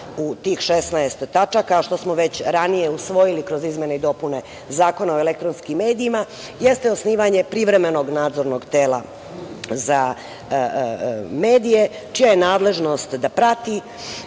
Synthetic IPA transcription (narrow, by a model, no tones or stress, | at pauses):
ut̪iːxʃesnaest̪ːat͡ʃakaʃt̪o̞smo̞ʋe̞t͡ɕɾanije̞usʋo̞jilikɾo̞zizmʲje̞neid̪o̞pune̞ | zaːko̞nao̞elekt̪ɾo̞nskimːe̞ːd̪iima | jest̪eo̞sniːʋaɲe̞pɾiʋɾe̞me̞no̞ɡnaːd̪zo̞ɾno̞ɡt̪eːla̰ | za | me̞ːd̪ije̞ | t͡ʃijajenaːd̪le̞ʒno̞st̪d̪apɾat̪i